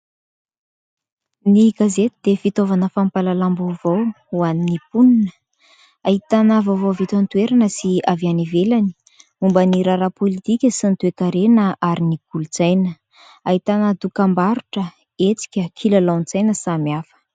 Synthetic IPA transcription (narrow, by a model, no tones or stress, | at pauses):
niɡazet̪id̪̥efit̪ovanəfampalalambovow | uaninipuninə | aɦit̪anəvovowvit̪ant̪ueɾanəsiavianivelani̥ | umbəniɾaɾapolit̪ikʲəsinit̪uekaɾenəʔaɾiniɡ̥ulut͡sajnə | aɦit̪anəd̪ukambaɾuʈ͡ʂə | et͡si̥kʲəkʰilalawnt͡sajnəsamiafə̥